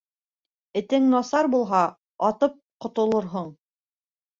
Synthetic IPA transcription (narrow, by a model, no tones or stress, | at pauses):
ɘ̆t̪ɘŋnɑsɑɾbulˠɦɑ | ɑt̪ɤp̚qŏt̪ŏlˠɤ̆ɾɦoɴ